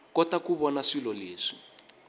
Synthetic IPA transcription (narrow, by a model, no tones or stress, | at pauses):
kɔtakuβɔnaʂilɔleːʂi̥